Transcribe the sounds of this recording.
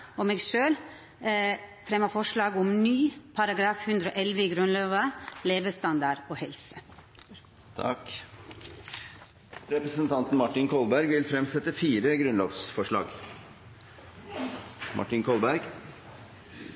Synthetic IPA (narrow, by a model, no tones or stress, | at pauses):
ɔmeːɡʂøːl | fɾɛmːɑfɔʂɭɑːɡʊmnyːpʰɑɾɑɡɾɑːfhʉnd̪ɾɔ̰ːʔɛlʋəiːɡɾʉnlɑːʋəleːʋəst̪ɑnd̪ɑɾoːhɛlsə | t̪ʰɑ̰k | ɾɛpɾəsənt̪ʰɑnt̪nmɑʈːɪnkʰɔlbæɾɡʋɪlfɾɛmsɛt̪əfiːɾəɡɾʉnloːʋsfɔʂɭɑ̰ːɡ | mʔɑ̰ʈɪnkʰɔlbæɾɡ